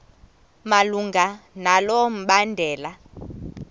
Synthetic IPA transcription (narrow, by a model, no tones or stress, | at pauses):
maluŋɡʱanalom̩ɓandʱɛːla